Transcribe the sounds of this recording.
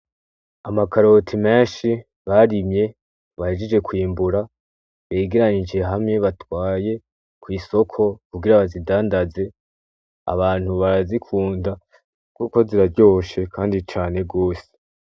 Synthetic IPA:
amakaɾo̞tʰime̞ːnʃi | βaɾimɲe̞ | βaheʒid͡ʒe̞kwiːmbuɾa | βeːɡiɾaɲid͡ʒe̞ɦamŋe̞βatwaːje̞ | kwiːso̞kʰo̞kubɡiɾaβazidaːndaze̞ | a̰βaːn̥huβaɾazikʰuːnda | kuːko̞ziɾaɾɟo̞ʃe̞kʰaːndit͡ʃaːne̞ɡo̞ːse̥

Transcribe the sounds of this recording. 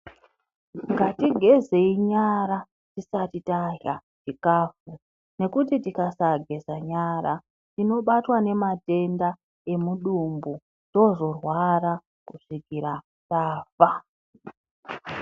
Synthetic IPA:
ŋɡatiɡʱe̞ze̞iɲaɾa | tisatitajaʒikaːfu | ne̞kutitikasaɡʱe̞zaɲaɾa | tino̞ɓatwane̞mate̞nda | e̞muɗumbu | z̥o̞zo̞rwara | kuʐiɡʱiɾa | taːfa

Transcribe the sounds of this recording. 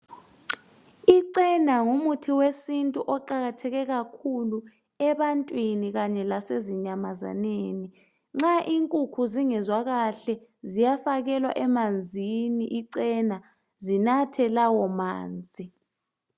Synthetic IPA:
iǀɛnaŋumutʰiwesintʼuʔɔǃaɣatʰɛɣɛɣakʰulu | ɛɓantʼwiniɣ̬aɲɛlaseziɲamaza̰neːni | ŋ͡ǁaʔiŋkʼukʰuziŋɛzwakaɬɛzijafak̬ɛlwa̰ʔɛmand͡zʱiniʔiǀɛna | zinatʰɛlawɔma̰ːnd͡zʱi

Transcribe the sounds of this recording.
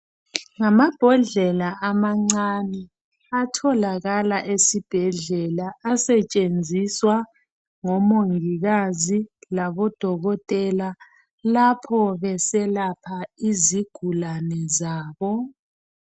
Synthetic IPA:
ŋamab̥ʱɔɮɛlaʔamaŋ͡ǀanɛ | atʰɔlaɣalaʔesib̥ʱɛɮɛlaasɛt͡ʃʼend͡zʱiswa | ŋɔmoŋiɣazilaβɔd̥ʱɔɣɔtʼɛla | lapʰɔβɛsɛlapʰaiziɡ̥ʱulanɛzaːβɔ

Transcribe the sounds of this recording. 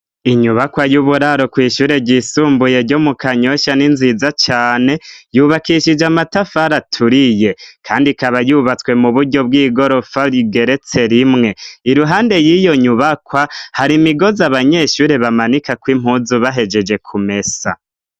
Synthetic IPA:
iɲuβakwajuβuɾaɾo̞kwiːʃuːɾe̞ɟisuːmbuje̞ɾɟomukaɲo̞ʃaninzizat͡ʃaːne̞juβakiʃid͡ʒamatafaɾatʰuɾije̞kʰaːndikaβajuβat͡swe̞muβuɾɟo̞b̚ɡiːɡo̞ɾo̞faɾiɡe̞ɾe̞t͡se̞ɾimŋe̞iɾuɦaːnde̞jijo̞ɲuβakwahaɾimiɡo̞zaβaɲe̞ʃuːɾe̞βamanikakwim̥huzuβaɦe̞d͡ʒe̞d͡ʒe̞kʰume̞sa̰

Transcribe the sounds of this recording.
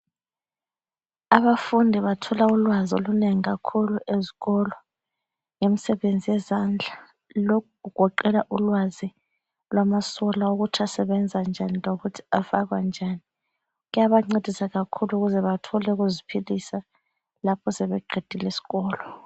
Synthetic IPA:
aβafundʱiβatʰɔlaulwazo̰luneŋiɣakʰuluʔeziɣɔlɔ | ŋem̩sɛβend͡zʱijɛzand͡ɮʱa | lokʰuɣuɡ̥ʱɔǃɛlaʔulwazi | lwamasɔlaoɣutʰasɛβɛnd͡zʱand͡ʒʱaniloɣutʰi̥afaɣwand͡ʒʱani | ɣujaβaŋ͡ǀed̥ʱisaɣakʰuluɣuzɛβatʰɔlɛɣuzipʰilisa | lapʰɔsɛβɛǃʱed̥ʱilesi̥ɣɔːlɔ

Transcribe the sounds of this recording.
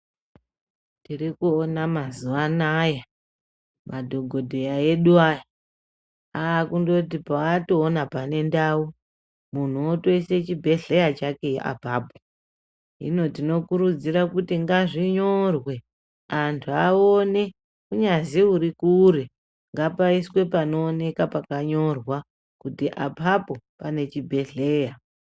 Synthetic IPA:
tirikuonamazuʋanaja | mʔadʱo̞ɡʱo̞dʱejaje̞ɗuaja | aːkundo̞t̬ipaatoːnapane̞ndau | mun̤uotoise̞t͡ʃibʱe̞ɮejat͡ʃake̞ʔa̰bʱaːbʱo | ḭno̞tino̞kuɾud͡ziɾakutiŋɡaʐiɲo̞rwe̞ | antʰuaone̞ | kuɲaziuɾikuɾe | ŋɡapaiswe̞pano̞ːne̞kapakaɲo̞rwa | kutiʔapʰapo̞pane̞t͡ʃibʱe̞ɮe̞ːja

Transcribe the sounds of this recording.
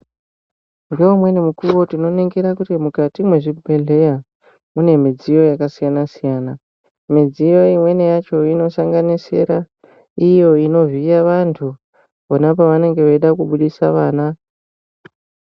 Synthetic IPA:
ŋɡeumwe̞nimukuʋo̞tino̞neŋɡeɾakutimukatimwe̞ʐibʱe̞ɮe̞ja | mune̞mid͡zijo̞jakasijanasijaːna | mid͡zijo̞imwe̞nejat͡ʃo̞ino̞saŋɡanise̞̰ɾa | ijo̞ino̞vijaʋantʰu | onapoʋane̞ŋɡe̞ʋeiɗakuɓuɗisaʋaːna

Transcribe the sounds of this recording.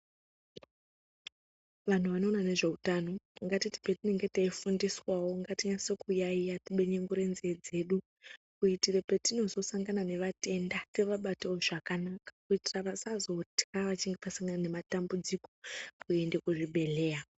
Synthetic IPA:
ʋan̤uʋano̞ːnane̞ʐe̞utaːno̞ŋɡatiti̥petine̞ŋɡetaifundiswawo̞ŋɡatiɲasokujaijatiɓe̞ɲeŋɡoɾenzied͡ze̞ɗu | kuitirepetino̞zo̞saŋɡanane̞ʋate̞ndase̞ʋaɓatawoʐakanakḁkuitiraʋasazo̞tkaʋat͡ʃiŋɡe̞pasaŋɡanane̞matambud͡ziko̞pʰuendekuʐiɓʱe̞le̞ːja

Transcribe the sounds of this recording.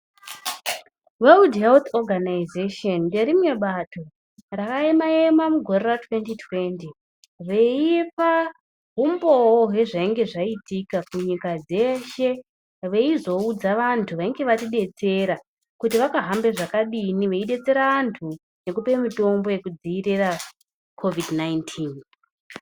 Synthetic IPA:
weudɦelt̪oɡʱanaizeʃondeɾimwe̞ɓato̞ | rakaimaemamuɡʱo̞reratwe̞ntitwe̞nti | ʋe̞ifa | ɦumbo̞oɦe̞ʐaiŋɡe̞ʐaitikakuɲikad͡ze̞ʃe̞ | ʋe̞izo̞ud͡zaʋantʰuʋaiŋɡe̞ʋatiɗe̞t͡se̞ɾa | kutiʋakaɦambe̞ʐakaɗiniʋe̞iɗe̞t͡se̞ɾaʋantʰu | ne̞kupe̞mito̞mbo̞je̞kud͡ziːɾira | kʰo̞vidnaintʰiːn

